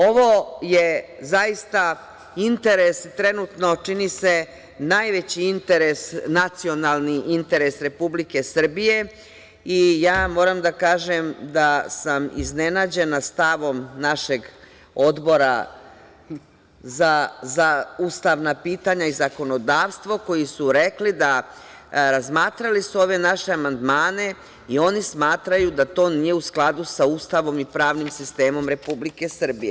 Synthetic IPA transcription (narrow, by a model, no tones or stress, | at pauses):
o̞ʋo̞jezaist̪a | int̪eɾest̪ɾe̞nut̪no̞t͡ʃinise̞ | najʋet͡ɕiint̪e̞ɾesnat̪sio̞nalˠniʔint̪e̞ɾe̞sɾe̞publike̞sr̩bije̞ | ijaːmo̞ːɾamd̪akaːʒemd̪asamḭznenaːd͡ʑe̞nast̪aʋo̞mnaʃe̞ɡ | o̞d̪bo̞ɾa | zazauːst̪aʋnapiːt̪aɲaizako̞no̞d̪aːʋst̪ʋo̞ko̞jisuɾe̞klid̪a | ɾazmaːt̪ɾalisuo̞ːʋe̞naʃe̞amand̪maːne̞ | io̞nismaːt̪ɾajud̪at̪o̞ːnije̞usklˠad̪usauːst̪aʋo̞mipɾaːʋnimsist̪e̞ːmo̞mɾe̞publike̞sr̩bije